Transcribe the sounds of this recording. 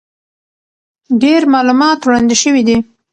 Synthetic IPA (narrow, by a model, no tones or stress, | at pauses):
ɖeɾmɑlumɑt̪wɽɑnd̪iʃəwid̪i